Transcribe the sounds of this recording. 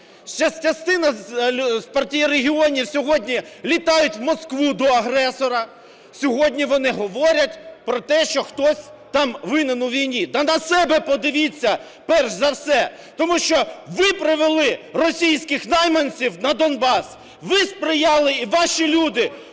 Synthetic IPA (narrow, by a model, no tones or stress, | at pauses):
ʃt͡ʃɐsʲt͡ʃɐst̪ɪnɐspɐrtʲijireɦʲiɔnʲiwsʲɔɦɔdʲnʲilʲit̪ɑjʊtʲwmɔskʋud̪ɔɐɦɾɛsɔɾɐ | sʲɔɦɔdʲnʲiʋɔnɪɦɔʋɔɾʲɐtʲpɾɔt̪ɛʃt͡ʃɔxt̪ɔsʲt̪ɑmʋɪnɪnʊʋʲijnʲid̪ɐnɐsɛbɛpɔd̪ɪʋʲit͡sʲːɐ | pɛrʃzɐwsɛ | t̪ɔmuʃt͡ʃɔʋɪpɾɪʋelˠɪrɔsʲijsʲkɪxnɑjmɐnʲt͡sʲiwnɐd̪ɔnbɑs | ʋɪspɾɪjɑlˠɪiʋɑʃilʲud̪ɪ